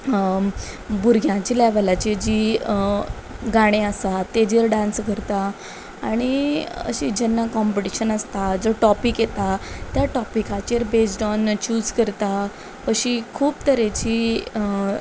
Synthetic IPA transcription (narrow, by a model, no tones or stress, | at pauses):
buɾɡʱjãt͡ɕiːlɛʋəlat͡ɕed͡ʑi | ɡaɽ̃ẽəsat̪ed͡ʑiɾɖãnsɡʱəɾt̪a | aɽ̃iə̰ɕid͡ʑɛnːakɔmpəʈiɕənəst̪ad͡zɔʈɔpikjet̪at̪jaʈɔpikat͡ɕeɾbesʈɔnt͡ɕuːd͡zkəɾt̪a | pəɕikʰuːpt̪əɾet͡ɕiː